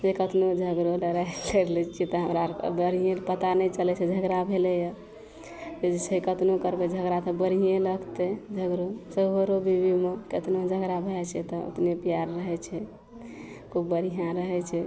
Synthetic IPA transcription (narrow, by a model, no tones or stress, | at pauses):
d͡ʒekət̪nod͡ʒʱəɡɾoləɾajləɾlɛkit̪əɦəmɾabəɾijẽpət̪anəjt͡ʃəlɛt͡ʃʰɛd͡ʒʱəɡɾabʱelɛjə | d͡ʒed͡ʒet͡ʃʰekət̪nokəɾbed͡ʒʱəɡɾat̪ɔbəɾijẽləɡt̪ed͡ʒʱəɡɾosəboɾobʱibʱimeket̪nod͡ʒʱəɡɾabʱeɛt͡ʃʰɛt̪ɔo̰t̪nepijaɾːəɦɛt͡ʃʰɛ | kubbəɾijãɾəɦɛt͡ʃʰɛ